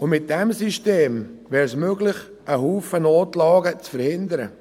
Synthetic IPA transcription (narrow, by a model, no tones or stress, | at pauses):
ʊmɪt̚d̥ɛmsiʃteːmvɛːɾsmøɡlɪχ | ʔəɦuːfənoːtlɑːɡət͡sfəɾhɪnd̪əɾə̰